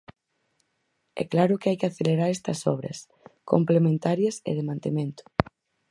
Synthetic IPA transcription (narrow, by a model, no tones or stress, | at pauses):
ɛ̰klaɾʊkɪajkɪaθeleɾaɾɛst̪ɐsɔβɾɐ̰s | ko̰mplemẽnt̪aɾjɐsḛðɪmãnt̪emẽnt̪ʊ̥